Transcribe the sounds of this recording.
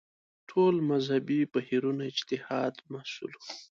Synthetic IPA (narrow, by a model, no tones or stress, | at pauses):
ʈʰolmazhabipahiɾunaɪd͡ʒt̪ɪhɑd̪mahsṵlu